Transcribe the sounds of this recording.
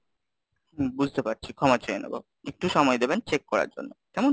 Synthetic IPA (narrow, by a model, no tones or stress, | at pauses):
bud͡ʑʱt̪epaɾt͡ɕʰikʰɔmat͡ɕajena̰bo̰ | ek̚ʈuʃɔmɔed̪ebent͡ɕekːɔɾa̰ɾd͡ʑo̰nːot̪ɛmon